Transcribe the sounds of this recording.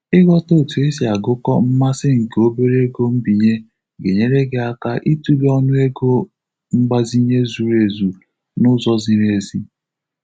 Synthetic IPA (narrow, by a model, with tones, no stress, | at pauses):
ɪ˦ɡɔ˦to˦˨tu˨e˦si˨a˨ɡʊ˦kɔ̰˦m̩˦ma˦sɪ˦ŋ̩˨ke˨o˦be˦ɾe˦ɡo˦m̩˦bi˨ɲe˦ | ɡe˨ɲe˦ɾe˦ɡe˨a˦ka˦ʔi˦tu˦le˦ɔ˦nʊ˦e˦ɡo˦ | ŋ͡m̩˦ɡ͡ba˦zi˦ɲe˦zu˨ɾe˨zu˨ | nʊ˦zɔ˦zɪ˨ɾe˨zi˦